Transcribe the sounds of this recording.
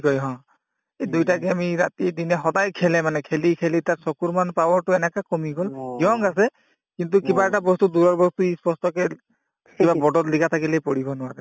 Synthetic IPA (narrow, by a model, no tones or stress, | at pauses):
kɔjɦɔ̃ | edujtaɡiamiɹatidinɛxɔdajkʰɛlɛmanɛkʰelikʰelitatsɔkuɹmanpawɔɹtʊɛnɛkakɔmiɡɔliɔŋasɛ | kintukibaɛʈabɔstuduɹɔɹbɔstuispɔstɔkɛ | kibabɔdɔtlikat̪ʰakilejpɔɹibɔnʊwaɾɛ